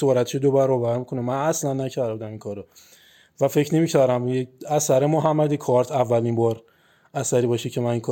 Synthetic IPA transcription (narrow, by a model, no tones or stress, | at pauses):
soɾæt̪ʰe̥ʃed̪obæɾɔːbæɾmikʰonemænæslænːæcʰæɾbud̪æmiŋkʰɒːɾɔ | væfe̞cʰnemicʰæɾæmjeæsæɾemoɦæmːæd̪ikʰɒɾt̪ʰævːælimbɒːɾ | æsæɾibɒːʃicʰemæniŋkʰ